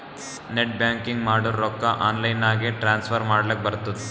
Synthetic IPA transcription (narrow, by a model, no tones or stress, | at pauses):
neʈ̚bjaːŋkiŋɡmaːɽuɾɔkːɐʔaːnlɐjnaːɡeʈɾaːnspʰɐɾmaːɽɐlɐk̚bɐɾut̪ːud̪e